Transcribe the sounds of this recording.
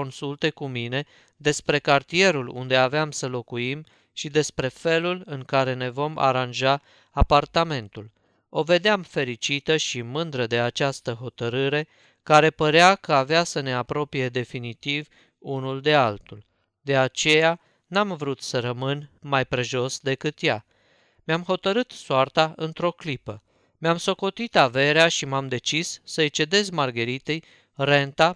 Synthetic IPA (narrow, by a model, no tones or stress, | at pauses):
onsult̪e̞kumine̞ | d̪e̞spɾe̞kart̪ie̞ɾulṵnd̪e̞aveamsəlo̞kuim | ʃid̪e̞spɾe̞fe̞lulɨŋkaɾe̞ne̞vo̞ma̰ɾanʒaː | part̪ame̞nt̪ul | o̞ve̞d̪eamfe̞ɾit͡ʃit̪əʃimɨnd̪ɾəd̪e̞at͡ʃast̪əɦo̞t̪əɾɨɾe̞ | kaɾe̞pəɾeakəaveasəne̞apɾo̞pije̞d̪e̞finit̪iv | unuld̪e̞alt̪ul | d̪e̞at͡ʃe̞ja | namvɾut̪səɾəmɨnmajpɾeʒo̞sd̪e̞kɨt̪ja | mamɦo̞t̪əɾɨt̪soart̪aɨnt̪ɾo̞klipə | meamso̞ko̞t̪it̪ave̞ɾeaʃimamd̪e̞t͡ʃisːəjt͡ʃe̞d̪e̞zmarɡəɾit̪ej | re̞nt̪a